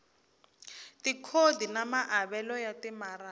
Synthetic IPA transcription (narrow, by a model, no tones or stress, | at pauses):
tikʰodʱinamaʔaβɛlɔjatimara